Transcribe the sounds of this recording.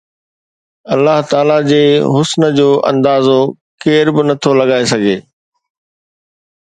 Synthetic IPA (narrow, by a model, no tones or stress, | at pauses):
ɐlːaɦt̪aːlad͡ʑeːɦʊsnə̆d͡ʑoːʔɐ̰̃nd̪aːzo | keːɾbɪnɐt̪ʰolɐɠaːesɐɡʱeː